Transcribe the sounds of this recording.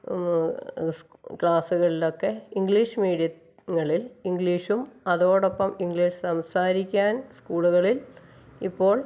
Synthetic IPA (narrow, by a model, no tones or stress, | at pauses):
kɭaːsuɣɐɭilo̞kːe̞iŋɡɭiːʂmiːɽijɐ | ŋːɐɭiliŋɡɭiːʂumɐðo̞ːɽopːɐmiŋɡɭiːʂsɐmsaːɾikʲːaːnskuːɭuɣɐɭil | ipːo̞ːɭ